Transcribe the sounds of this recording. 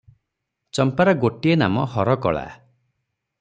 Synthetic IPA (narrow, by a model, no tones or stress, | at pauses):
t͡ʃɔmpaɾɔɡoʈiena̰mɔhɔɾɔkɔ̰ɭa̰